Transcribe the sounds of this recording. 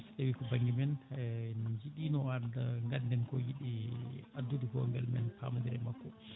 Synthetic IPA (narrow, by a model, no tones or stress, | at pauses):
ɗewikɔbaŋɡimɛn | d͡ʒiɗiːnɔadaŋɡandɛnkɔjiɗiadːudihɔ̰ŋɡɛlmɛ̰npʰa̰madiɾɛmakːɔ